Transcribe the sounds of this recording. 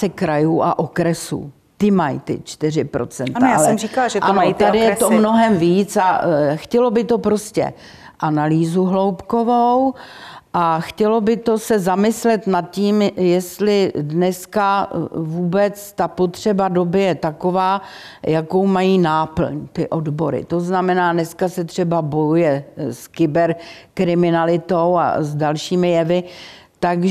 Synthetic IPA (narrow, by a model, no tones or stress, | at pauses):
sɛkɾajuːʔa̰ʔokɾɛsṵː | t̪ɪmajt̪ɪ̰t͡ʃt̪ɪr̝ɪpɾo̞̰t͡sɛnt̪aaalɛrikalʒɛanot̪adɪjjɛt̪omno̞ɦɛmviːt͡saxcɛlo̞bɪt̪o̞pɾo̞scɛ̰ | ʔanaliːzuɦlo̞wpko̞vowʔaxcɛlo̞bɪt̪o̞sɛzamɪslɛt̪nat̪̚ciːmjɛst̪lɪdnɛskavuːbɛt͡st̪apo̞t̪r̝̥ɛbado̞bɪjɛt̪ako̞vaː | jako̞wmajiːnaːpl̩ɲt̪ɪʔo̞dbo̞ɾɪ̰t̪o̞znamɛnaːnɛskasɛt̪r̝̥ɛbabo̞jujɛskɪbɛɾkɾɪmɪnalɪt̪owa̰zdalʃiːmɪjɛvɪt̪aɡʒ